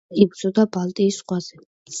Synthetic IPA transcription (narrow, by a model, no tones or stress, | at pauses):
iɡ̪̚zʼɔd̪abalˠt̪ʼiːsχʼwaz̥ɛ